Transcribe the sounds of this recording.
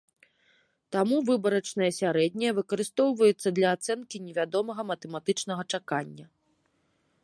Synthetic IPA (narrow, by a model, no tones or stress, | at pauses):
t̪amuvɨbɐɾɐt͡ʂnɐjɐsʲaɾɛd̪ʲnʲɐjɛvɨkɐɾɨst̪ɔwvɐjɛt̪sːɐd̪lʲɐːt̪sɛnkʲinʲɛvʲad̪ɔmɐɣɐmɐt̪ɛmat̪ɨt͡ʂnɐɣɐt͡ʂakanʲːɐ